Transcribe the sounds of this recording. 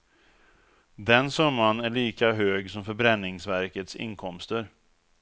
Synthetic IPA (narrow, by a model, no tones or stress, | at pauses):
d̪ɛnsœmːanæɭiːkaɦøːɡsɔmfœɾbɾɛnːɪŋsvæɾkət̪sɪ̰ŋkʰɔmst̪əɾ